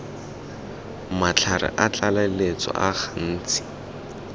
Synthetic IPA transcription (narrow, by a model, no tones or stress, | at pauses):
mat͡ɬʰaɾɪ̰ʔat͡ɬalalet͡sɔ̰ʔaχan̩ːt͡sɪ̥